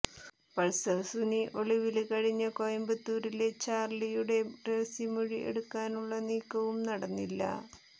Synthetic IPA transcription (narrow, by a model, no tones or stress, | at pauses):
pɐɭsɐsuniʔo̞ɭiʋilkɐɻiɲːɐkojɐmbɐt̪ːuːɾilet͡ɕaːrlijuɽe̞reʋɐsimuɻiʔḛɽukːaːnuɭːɐniːkːɐʋumnɐɽɐnːilːɐ̰